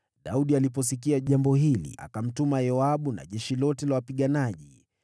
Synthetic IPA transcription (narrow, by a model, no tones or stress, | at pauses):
ɗauɗialipɔsikiaʄambɔɦilḭʔa̰kam̩tumajɔaɓuna̰ʄɛʃilɔtɛlawapiɠanaʄi